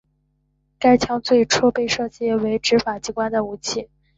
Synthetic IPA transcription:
ka˥ɪt͡ɕʰjɑ˧˥ŋt͡swe˥˩ɪʈ͡ʂʰu˥pe˥˧ɪʂɤ˥˧t͡ɕjɛ˥˩we˧˥ɪʈ͡ʂɻ̩˧˥fa˨˩t͡ɕi˧˥kwa˥nd̪ə˨u˧˥t͡ɕʰi˥˩

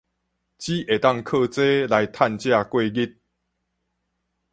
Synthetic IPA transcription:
t͡ɕi˦ʔe˨˩t̪a˥˨ŋkʰə˥˧t͡se˦la˨˦jt̪ʰa˥˧nt͡ɕja˥˧kwe˥˧ɡi˦t̚

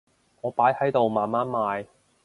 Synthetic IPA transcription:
ŋɔː˨˧paː˨˥jhɐ˨˥jt̪o˨wmaː˨nmaː˥nmaː˨˧j

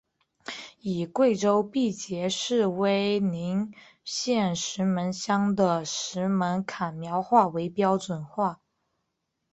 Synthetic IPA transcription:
i˨˩kwe˥˩ɪʈ͡ʂo˥ʊpi˥˩t͡ɕjɛ˧˥ʂɻ̩˥˩we˥˩ɪni˧˥ŋ | ɕjɛ˥˩nʂɻ̩˧˥mə˧˥nɕjɑ˥ŋd̪ə˨ʂɻ̩˧˥mə˧˥nkʰa˨˩nmjɑ˧˥ʊxwa˥˩we˧˥ɪpjɑ˥ʊʈ͡ʂwə˨˩nxwa˥˩

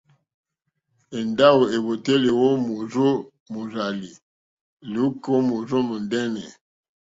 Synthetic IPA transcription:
e˨nda˦wu˨e˨bo˨te˦le˨wo˦mo˨zo˦ | mo˨za˨li˨ | lu˨˦ko˦mo˨zo˦mo˨ndɛ˦nɛ˨

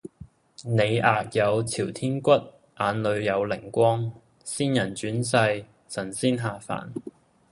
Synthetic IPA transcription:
ne˨˧jaː˨k̚jɐ˨˧wt͡sʰiː˨˩wt̪ʰiː˥nkʷɐ˥t̚ | ʔaː˨˧nlɵ˨˧ɥjɐ˨˧wlɪ˨˩ŋkʷɔː˥ŋ | siː˥njɐ˨˩nt͡ʃyː˨˥ns̬ɐ˧j | sɐ˨˩nsiː˥nɦaː˨fa̰ː˨˩n

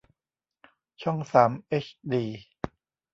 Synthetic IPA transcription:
t͡ɕʰɔ˥˩ŋsaː˩˦mʔe˦˥t͡ɕʰdiː˧

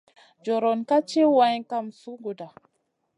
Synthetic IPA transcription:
d͡ʒo˨ɾo˨nka˦t͡ʃi˦wa˦jka˦msu˦ɡu˨da˨

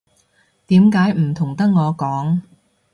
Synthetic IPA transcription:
t̪iː˨˥mkaː˨˥jm̩˨˩t̪ʰʊ˨˩ŋt̪ɐ˥k̚ŋɔː˨˧kɔː˨˥ŋ

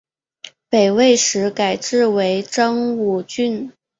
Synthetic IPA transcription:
pe˨˩ɪwe˥˩ɪʂɻ̩˧˥ka˨˩ɪʈ͡ʂɻ̩˥˩we˧˥ɪʈ͡ʂɑ˥ŋu˨˩t͡ɕy˥n

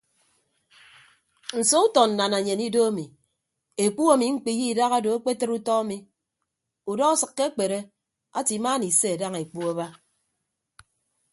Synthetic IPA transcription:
n̩˨so˦u˦tɔ˨n̩˨na˨na˨ɲe˨ni˦do˦a˦mi˨ | e˨k͡pu˦a˨mi˨ŋ͡m̩˦k͡pi˨ji˦˨da˦ɣa˦do˨a˦k͡pe˦tɨ˦ɾu˦tɔ˦a˦mi˨ | u˨dɔ˦ɣa˦sɨ˨kːe˦k͡pe˨ɾe˦ | a˦ti˨˦ma˦ni˨se˦a˨da˦ŋe˨k͡pu˦a˦ba˦

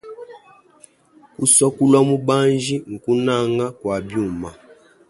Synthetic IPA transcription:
ku˦sɔ˦ku˦lwa˦mu˦ba˦nd͡ʒi˦ŋ̩˨ku˦na˦ŋɡa˦kwa˨bju˦˨ma˨

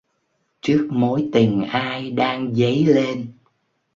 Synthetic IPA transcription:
t͡ɕɨ˦˥ək̚mo˨˦jt̪i˨˩ŋ̟ʔaː˧jɗaː˧ŋzə˨˦jle˧n

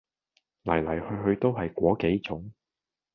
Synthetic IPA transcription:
lɐ˨˩jlɐ˨˩jhɵ˧ɦɵ˧ɥt̪o˥wɦɐ˨jkʷɔː˨˥ke˨˥jt͡sʊ˨˥ŋ

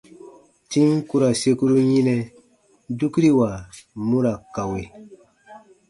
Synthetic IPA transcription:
tĩ˦ŋku˦ɾa˨se˦ku˦ɾu˦ɲĩ˦nɛ˨ | du˦ku˦ɾi˦wa˨mu˦ɾa˨ka˨we˨

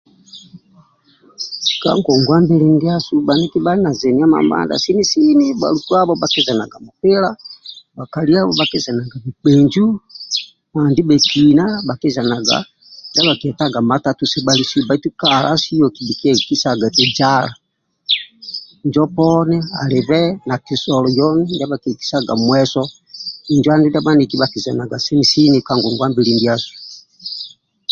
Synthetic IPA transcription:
si̥˨ka̰˦ŋɡɔ˨ŋɡwa˦mbɛ˦li˦ndi˦a˦suba˨ni˦ki˦ba˦li˦na˨zɛ˨nia˦ma̰˨mba̰˦nda̰˨si˦ni˦si˦ni˦ba̰˨lu˨tu˦a˦bɔba˨kɛ˦za˨na˨ɡa˨mu˨pɛ˦la˦ba˨ka˨li˦a˦bɔ˦ba˦kɛ˦za˨na˨ɡa˨mi˨k͡pɛ˨ɲd͡ʒu˦ | ma˨ndi˦bɛ˨kʰina˦ba˨kɛ˦za˨na˨ɡa̰˨ | nda˦βa˨ki˨ɛ˨taɡa˨ma˦tatu˨sɛ˦bali˦si˦ba˨i˦tu˦kala̰˦si˦jɔ˨ki˨bi˨ki˦ɛ˦ki˦sa˨ɡa˨tɛ˨d͡ʒala˨ | ɲd͡ʒɔ˦pɔnɛa̰˨lɛ˨βɛna˨ki˨sɔlɔ˨jɔ˦nɛnda˦βakɛ˨ki̥˨˦sa˦ɡa̰˨mwɛsɔ | i˨nd͡ʒu˦a˦ndi˦nda˦ba˦niki˦βaki˨za˨na˨ɡa˨sɛ˦misi˦ni˨ka˨ŋɡu˨ŋɡwa˦mbi˦lindi˦a˦su̥

